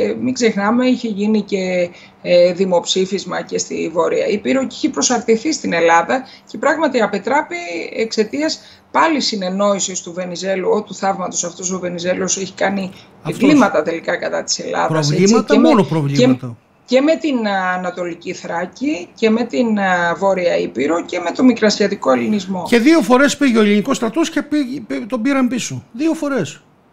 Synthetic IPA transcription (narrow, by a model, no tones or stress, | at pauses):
miɡze̞xnɐme̞içe̞ʝinice̞ | ðimo̞psifizmɐce̞st̪ḭvo̞ɾiɐipiɾociçepɾo̞sɐɾt̪iθist̪ine̞lɐðɐ | ce̞pɾɐɣmɐt̪iɐpe̞t̪ɾɐpiekse̞t̪iɐs | pɐlisine̞no̞isist̪uve̞nize̞luo̞t̪uθɐvmɐt̪o̞sɐft̪oso̞ve̞nize̞lo̞seçi̥kɐni | ifvllimɐt̪ɐt̪e̞likɐkɐt̪ɐt̪i̥se̞lɐ̰ðpɐosveiɐt̪emonopɾovliemɐt̪ɐ | ce̞me̞t̪inɐnɐt̪o̞liciθɾɐcice̞me̞t̪invo̞ɾiɐipiɾo̞ce̞me̞t̪o̞mikɾɐsçɐt̪iko̞elinizmo̞ce̞ðio̞fo̞ɾe̞spiʝeoelinikost̪ɾɐt̪oscepit̪o̞biɾɐmpisoðio̞fo̞ɾe̞s